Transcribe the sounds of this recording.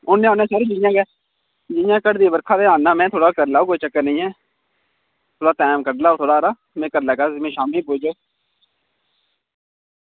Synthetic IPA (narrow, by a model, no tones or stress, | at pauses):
ʊnẽːaːnẽːsaːɾeːd͡ʒijãːkɛː | d͡ʒɪjãːkəɽd̪ibəɾkʰaːd̪eːãːnːãːmɛ̃ːt̪ʰoːɽaːkəɾlaːoːkoːiːt͡ʃəkːəɾnəĩːɦɛː | t̪ʰoːɽaːt̪ɛːmkəɾlaːoːt̪ʰoːɽaːɾaː | mẽːkəɾlaːkaːmẽːʃaːmĩpoːd͡ʒoː